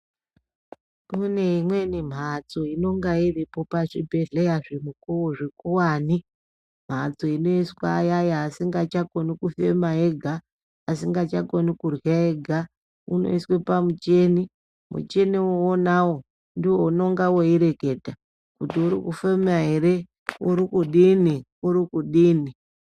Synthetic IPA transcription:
mune̞imwe̞nim̤ʱat͡so̞ino̞ŋɡairipo̞paʐibʱe̞ɮejaʐemukuwoʐekuwaːni | m̤at͡so̞ino̞iswa̰ːjajaːsiŋɡat͡ʃakonikufe̞maeɡʱaː | siŋɡat͡ʃakonikurwaeɡʱa | ṵno̞̰iswepamut͡ʃe̞ni | mṵt͡ʃe̞niwoonawo̞ | ndiwo̞uno̞ŋɡawo̞iɾe̞ke̞ːdʱa | kutiuɾḭkufemaɦe̞ɾe̞ | uɾikuɗini | uɾikuɗiːni

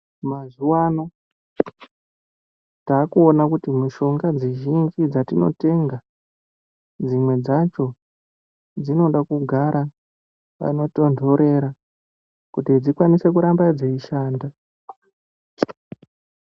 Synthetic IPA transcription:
mazuwaːno̞ | taːkuonakutimuʃo̞ŋɡad͡ziʒind͡ʒid͡zatino̞̰te̞ŋɡa | d͡zimwe̞d͡zat͡ʃo̞ | d͡zino̞ɗakuɡʱaɾa | ʋa̰no̞to̞ndʱo̞ɾe̞ɾa | kutid͡zikwanise̞k̬uɾambad͡zeiʃaːnda

